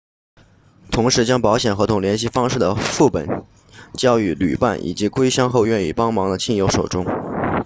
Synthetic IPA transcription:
t̪ʰʊ˧˥ŋʂɻ̩˧˥t͡ɕjɑ˥ŋpɑ˧˥ʊɕjɛ˨˩nxɤ˧˥t̪ʰʊ˨˩ŋljɛ˧˥nɕi˥˧fɑ˥ŋʂɻ̩˥˩d̪ə˩fu˥˩pə̰˨˩˦n | t͡ɕjɑ˥ʊy˧˩ly̰˨˩pa̰˥˩nʔḭ˨˩t͡ɕi˧˥kwe˥ɪɕjɑ˥ŋxo˥˧ʊɥɛ˥˧nḭ˥˨˩pɑ˥ŋmɑ˧˥ŋd̪ə˧t͡ɕʰi˥˩njo˧˥ʊʂo˨˩ʊʈ͡ʂʊ˥ŋ

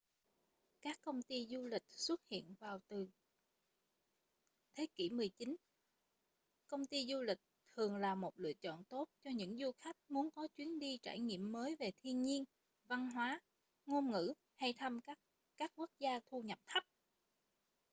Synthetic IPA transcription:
kaː˦˥kːə˧wŋ͡mt̪i˧zu˧lï˨˩k̟̚swə˦˥t̚hḭ˧˨ənvaː˨˩wt̪ɨ˨˩ | t̪ʰe˨˦kḭ˧˩mɨ˨˩əjt͡ɕi˨˦n | kə˧wŋ͡mt̪i˧zu˧lï˨˩k̟̚t̪ʰɨ˨˩əŋlaː˨˩mo˨˩t̚lɨ̰˧˨ət͡ɕɔ̰˧˨nt̪o˦˥t̚t͡ɕɔ˧ɲɨ̰˧˥ŋzu˧xa˦˥jk̚mu˨˦ənkɔ˨˦t͡ɕwi˨˦ənɗi˧t͡ɕa̰ː˧˩jŋḭ˧˨əmːəː˨˦jve˨˩t̪ʰi˧ənɲi˧ən | va˧nɦwaː˨˦ | ŋo˧mŋɨ̰˧˥ | ha˧jt̪ʰa˧mkː | kaː˦˥k̚ku˦˥ək̚zaː˧t̪ʰu˧ɲə˨˩p̚t̪ʰə˦˥p̚

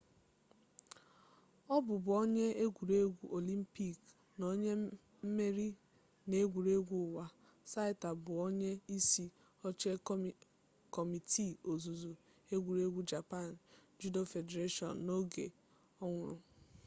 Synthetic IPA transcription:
ɔ˦bʊ˨bʊ˨ɔ˦ɲe˦e˦ɡʷu˨ɾe˦ɡʷu˦ʔo˨li˦m̩˦pi˦˨k | no˦ɲe˦ | m̩˦me˦ɾi˦ | ne˦ɡʷu˨ɾe˦ɡʷu˦ʊ˨wa˦ | sa˦ɪ˦ta˨bʊ˨ɔ˦ɲe˦i˦si˦ | ɔ˦t͡ʃe˦ | kɔ˨mi˨tʰi˦˨o˨zu˨zu˨ | e˦ɡʷu˨ɾe˦ɡʷu˦d͡ʒa˨pa˦˨nd͡ʒu˦do˦fe˨de˨ɾe˦ʃɔ̰˨nːo˦ɡe˨ | ɔ˦ŋʷʊ̰˦˨ɾʊ˨

